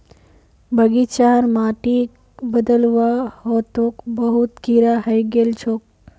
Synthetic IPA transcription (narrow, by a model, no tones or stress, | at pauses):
bʱəɡit͡ʃaːɾmaːʈi | bəd̪əlʋahot̪okbəɦut̪kiːɾahɐjɡelt͡ʃʰoːk̚